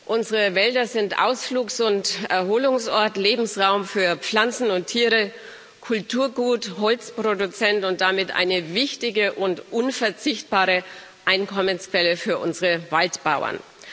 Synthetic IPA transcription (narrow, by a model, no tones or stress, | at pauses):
ʔʊnzəʁəvɛldɐzɪntʔa̰ʊsfluːksʊntʔɛɐɦoːlʊŋsʔɔɐtleːbm̩sʁaʊmfyːɐp͡fl̥ant͡sn̩ʊntʰiːʁə | kʰʊltʰuːɐɡuːtɦɔlt͡spʁ̥odut͡sɛntʊnt̚d̥amɪtʔa̰ɪnəvɪçtɪɡəʔʊntʔʊnfɛɐt͡sɪçt̚b̥aːʁə | ʔaɪnkʰɔmənskv̥ɛləfyːɐʔʊnzəʁəvaltb̥aʊɐ̰n